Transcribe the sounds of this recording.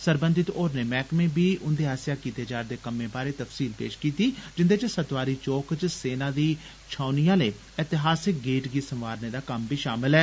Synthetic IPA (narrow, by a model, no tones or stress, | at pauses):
səɾbə̃nd̪ɪt̪oːɾneːmɛːkmẽːbiːʔʊnd̪eːɦaːsjaːkiːt̪eːd͡ʒaːɾd̪eːkəmẽːbaːɾeːt̪əfsiːlpḛːʃkiːt̪iːd͡ʒɪnd̪eːt͡ʃsət̪ʋaːɾiːt͡ʃoːkt͡ʃseːnãːd̪iː | t͡ʃʰaːnijãːleː | ɛt̪ɪɦaːsɪk̚ɡeːʈɡiːsəmʋaːɾneːd̪aːkəmbʱiːʃaːmɪlɛː